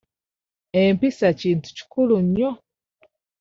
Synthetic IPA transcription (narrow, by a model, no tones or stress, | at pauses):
empisaciːntu̥ci̥kuluɲo